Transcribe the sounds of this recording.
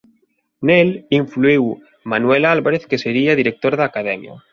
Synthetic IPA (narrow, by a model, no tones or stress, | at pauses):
neliɱfluiw | manwelalβaɾeθkeseɾiaðiɾek̚t̪oɾðaːkað̞ɛmja̰